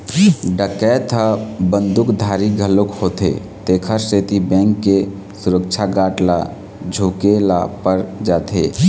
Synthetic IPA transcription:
ɖəkɛt̪ʰəbənd̪ukd̪ʱaɾiɡʱəlokhot̪ḛ | t̪ekʰəɾset̪ibɛ̃ŋkːe | suɾək̚t͡ʃʰaɡaʈla | d͡ʒʱokelapəɾd͡ʒat̪ʰe

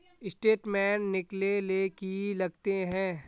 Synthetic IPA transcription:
ɪsʈeːʈmɛ̃ːnːɪklelekilɐɡt̪eɦɛ̃ː

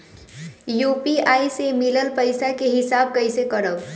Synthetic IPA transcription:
jupiaːisemɪləlpəɪsakeɦɪsaːb̚kəɪsekəɾəb

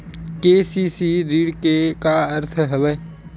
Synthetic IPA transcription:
keːsiːsiːɾiːɽkekaəɾt̪ʰɦəʋə

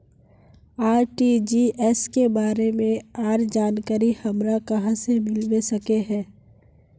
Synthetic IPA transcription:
aːɾʈid͡ʒiːʔɛskebaːɾemẽaːɾd͡ʒaːnkaːɾihɐmɾakɐɦãsemɪlwesɐkeɦɛ̃ː

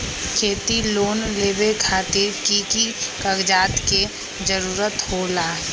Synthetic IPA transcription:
kʰeːt̪iloːnleːbekʰaːt̪ɪɾkikikəɡd͡ʒaːt̪ke | d͡ʒəɾuːɾət̪holaːɦ

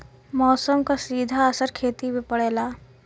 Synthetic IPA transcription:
mɔːsəmkasiːd̪ʱaɐsəɾkʰeːt̪ibepɐɽeːlaː

